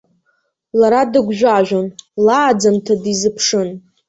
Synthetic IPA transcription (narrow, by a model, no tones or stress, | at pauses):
laɾadɨɡʷʒᶣʷaʒʷᶣonlaːd͡zamtʰadizɨpʰʂɨn